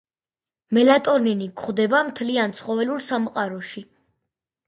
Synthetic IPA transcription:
mɛlat̪ʼɔɾninikʰχd̪ɛbamt̪ʰliant̪sʰχɔvɛluɾsamqʼaɾɔʃi

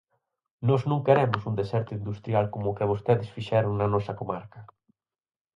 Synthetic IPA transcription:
nɔznũŋkeɾɛmʊsund̪esɛɾt̪ʊind̪ust̪ɾjalkomʊːkɪβ̞ost̪eðɪsfiʃɛɾʊŋnɐnɔsɐkomaɾkɐ

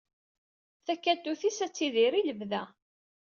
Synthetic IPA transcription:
θækːæt̪ːuθisæt͡sːiðiɾiləvðæ

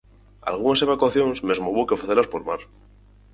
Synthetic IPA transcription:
a̰lɣ̞unase̞βakwaθjo̞nsmezmoβokeofɾeθeɾlaspoɾmaɾ

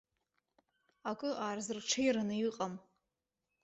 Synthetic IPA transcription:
akʼɨʔaːrzɨrʈ͡ʂʰejɾanɨjiqʼam

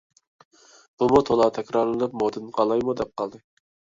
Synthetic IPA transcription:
b̥umut̪ʰolˠɑt̪ʰɛkʲɾɑɾlˠɨnɨpmod̪ɨnqʰɑlˠɑjmud̪ɛp̚qʰɑlˠd̪ɨ

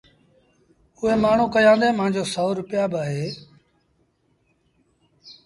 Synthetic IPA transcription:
ʊɦeːmaːɳ̤ũːkəjãːnd̪ẽːmãːɲd͡ʒoːsɔːɾʊpɪjaːbaːɦeː

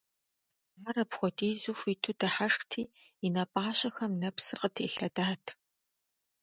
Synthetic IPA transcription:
aːɾɐpxʷɔtʼiːzuxʷiːtʰudɐħaʂχtʰiː | inɐpʼaːɕɐxɐmnɐpsɨrqətʰeːɬɐdaːtʰ

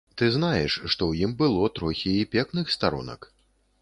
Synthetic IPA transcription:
t̪ɨznajɛʂːt̪ɔwjimbɨlˠɔt̪ɾɔxʲiːpʲɛknɨxst̪aɾṵnɐ̰k

